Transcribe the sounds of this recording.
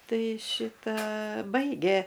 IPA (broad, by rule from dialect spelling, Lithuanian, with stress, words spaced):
ˈtɐɪ ˈʃʲɪtɐ ˈbɐɪɡʲeː